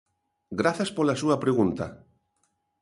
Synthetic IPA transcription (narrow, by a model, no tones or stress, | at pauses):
ɡɾaθaspolasuapɾeɣunt̪a̰